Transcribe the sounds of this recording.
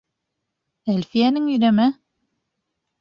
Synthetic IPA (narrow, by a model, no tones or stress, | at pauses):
ælfijænɘŋjɵ̆ɾæmæ